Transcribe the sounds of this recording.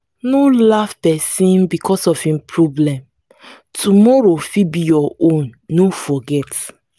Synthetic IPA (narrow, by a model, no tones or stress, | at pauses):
nolafpɛsĩnbikɔsɔfhĩmpʰɹɔblɛ̃m | tʰumɔɹofibijɔõnːofɔɡɛt